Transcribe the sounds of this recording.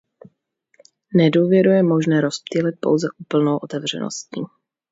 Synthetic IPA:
nɛduːvjɛɾujɛmo̞ʒnɛːɾospt̪ilɪt̪̚po̞wzɛʔupl̩nowʔot̪ɛvr̝̥ɛ̰no̰stiː

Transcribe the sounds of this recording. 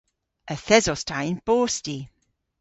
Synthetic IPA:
əθɛzɔstʰajnb̥oːsti

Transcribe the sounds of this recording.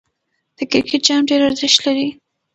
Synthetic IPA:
d̪̥əkɪɾkʰɪʈ̚d͡ʒɑmɖeɾaɾzɪʃt̪laɾi

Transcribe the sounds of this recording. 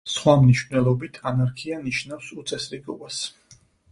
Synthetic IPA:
sχwamniʃvnɛlˠɔbit̪ʰanaɾkʰianiʃnafsut̪sʼɛsɾiɡɔbas

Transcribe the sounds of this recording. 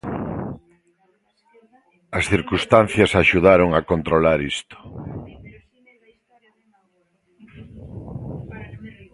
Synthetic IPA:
ɐsθiɾkust̪anθjɐsaʃuðaɾoŋakont̪ɾolaɾist̪o̥

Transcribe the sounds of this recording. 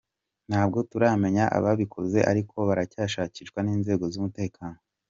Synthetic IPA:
n̥haːb̚ɡo̞tuɾame̞ɲaʔa̰βaβikʰoze̞ʔa̰ɾikʰo̞βaɾacaːʃaːciʃɡwaniːnze̞ːɡo̞zumute̞ːkʰaːno

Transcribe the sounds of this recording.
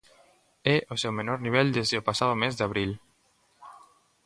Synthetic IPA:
ɛʔosewmenoɾniβ̞ɛld̪ezðeopasaðomezd̪aβ̞ɾil

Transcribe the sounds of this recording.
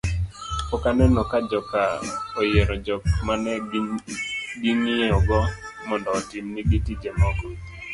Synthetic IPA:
ɔkanɛnɔkad͡ʒɔkaojeɾɔd͡ʒɔkmanɛ | ɡiŋieɔɡɔ | mɔndɔːtimniɡitid͡ʒemɔɡɔ

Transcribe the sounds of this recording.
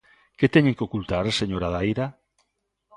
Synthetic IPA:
ket̪ɛɲeŋkeokult̪aɾseɲoɾaðajɾa

